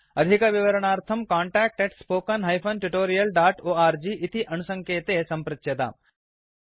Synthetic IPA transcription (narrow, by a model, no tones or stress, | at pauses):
ɐd̪ʱikɐʋɪʋɐɾɐɳ̃aːɾt̪ʰɐmkaːɳʈaːk̚ʈeʈspoːkɐnɦɐjpʰɐnʈuʈoːɾijɐlɖaːʈoːaːɾd͡ʒiːʔɪt̪iʔɐnusɐ̃ŋkeːt̪esɐmpɾɐt͡ʃjɐt̪a̰